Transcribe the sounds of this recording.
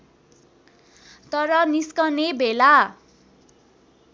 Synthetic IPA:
t̪ʌɾʌniskʌnebʱela

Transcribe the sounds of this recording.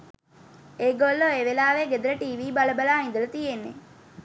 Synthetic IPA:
eːɡolːoeʋelaːʋeɡed̪ələʈiːʋiːbaləbəlaːind̪ələt̪ijenːe

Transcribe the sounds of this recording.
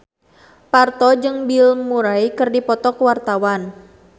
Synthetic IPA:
part̪ɔd͡ʒɨŋbilmuɾaikɨrdipɔt̪ɔkwart̪awan

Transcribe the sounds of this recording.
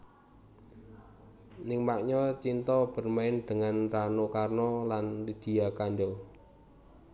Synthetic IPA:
nɪŋmaʔɲɔt͡ʃint̪ɔb̥ə̤rmaɪnd̪̥əŋanranokarnɔlanlid̪̥i̤jakaɳɖɔ

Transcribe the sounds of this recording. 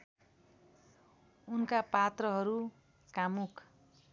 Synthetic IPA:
unkapat̪rʌɦʌɾu | kamukʰ

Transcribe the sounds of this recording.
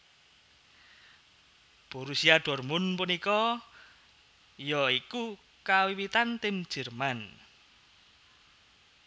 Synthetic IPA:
b̥uɾusiaɖ̥ɔ̤rmʊnpunikɔ | jɔiku | kawiwit̪ant̪ɪm̥d͡ʒ̥ɛ̤rman

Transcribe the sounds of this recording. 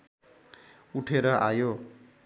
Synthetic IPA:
uʈʰeɾʌʔajo

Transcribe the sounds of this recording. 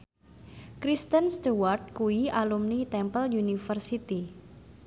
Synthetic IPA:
kɾist̪ənst̪uward̪̚kuiʔalumnit̪ɛmpəljunifərsit̪i

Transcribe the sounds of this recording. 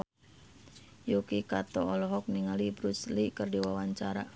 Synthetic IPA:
jukikat̪ɔɔlɔɦɔk̚niŋalibɾuslikərdiwawaɲt͡ʃaɾa

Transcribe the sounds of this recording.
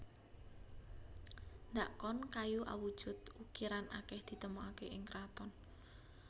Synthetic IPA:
nd̪aʔkɔnkajuʔa̰wud̥ʒ̥ʊt̪̚ukiɾanʔakɛhd̪̥i̤t̪əmuakeʔɪŋkɾat̪ɔn

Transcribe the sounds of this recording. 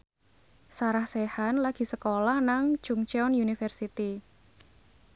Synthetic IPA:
saɾahsehanlaɡ̥i̤səkolahnaŋ̥ʒ̥uŋt͡ʃɛɔnjunifərsit̪i

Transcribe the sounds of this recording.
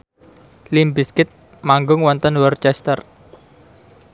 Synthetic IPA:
limbiskɪt̪̚ | maŋɡʊŋwɔnt̪ənwɔrt͡ʃɛst̪ər

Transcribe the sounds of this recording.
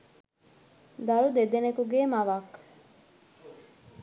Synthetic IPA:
d̪ɐɾud̪ed̪enekuɡeːmɐʋak

